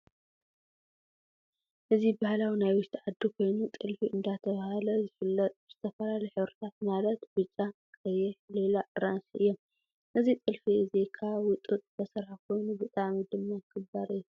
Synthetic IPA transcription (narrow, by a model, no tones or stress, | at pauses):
ʔɨzibahalawinajwʊʃt̪ʰiʕad̪ːikʰo̞jnut̪ʼɨlfiɨnd̪at̪ʰɐβahalɐzɨfɨlːɐt̪ʼbɨz̥ɨt̪ʰɐfɐlalɐjħɨβɾɨt̪ʰat̪̚malɐt̪bɨt͡ʃʼːa | kʰʼɐjɛħlelaʔɨɾansiʔɨ̰jːom | nʔɨzit̪ʼɨlfiʔɨzekʰawʊt̪ʼut̪ʼb̪ʰɐsɐɾħakʰo̞jnubɨt̪ʼamid̪ɨmːajkʰɨbaɾɨjːu